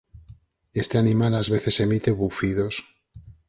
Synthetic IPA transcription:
e̞st̪e̞anĩmalazβe̞θe̞se̞mit̪e̞βufiðo̞s

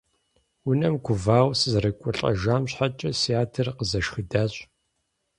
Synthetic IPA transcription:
wʊnɐmkʷʊvaːwsɨzrɨkʷʼʊɬʼɐ̰ʒaːmɕħat͡ʃʼɐsiaːtʰɨrqəzɐʃxɨdaːɕʼ

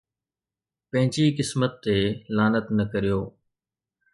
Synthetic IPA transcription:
pɐ̃ɦɪ̃ɲt͡ʃiːkɪsmət̪ːeːlaːnət̪nəkəɾijoː

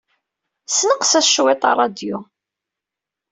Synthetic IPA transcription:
snəqsæʃwet̪ˤɑ̰rˤːɑd̪jʊ

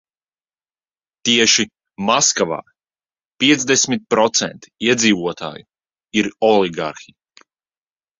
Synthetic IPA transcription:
t̪iɛʃi | maskava̰ː | pʲiɛt̪zd̪esmʲit̪̚pɾɔt̪sɛ̰nt̪i̥iɛd̪ziːvuɔt̪a̰ːju | iɾɔliɡa̰ɾxij

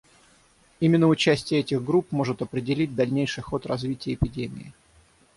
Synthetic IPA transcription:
imʲɪnːəʊt͡ɕæsʲtʲɪjəɛtʲɪɣɡɾupmo̞ʐɨt̪ɐpɾʲɪdʲɪlʲit̚ʲd̪ɐlʲnʲejʂɨjxo̞t̪rɐzvʲitʲɪjəɪpʲɪdʲemʲɪ̰ɪ

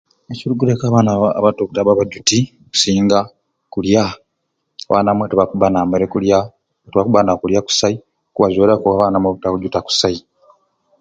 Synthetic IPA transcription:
eciɾuɡulekaβanaaβatokutaβaβaɟutioku̥siːŋɡa | kulja | βʔa̰namwetuβakuβanameɾekulja | otuβakuβanakuljaku̥sai | kuβazoɾakuβaβaːnamweβutaβuɟutaku̥sai

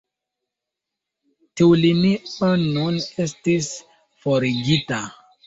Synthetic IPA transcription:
tiwliniənunestis | foɾiɡita

